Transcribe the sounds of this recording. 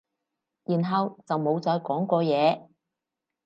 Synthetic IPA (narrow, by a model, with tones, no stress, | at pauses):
jiː˨˩nɦɐ˨wt͡sɐ˨wmo˨˧wt͡sɔː˧jkɔː˨˥ŋkʷɔː˧jɛː˨˧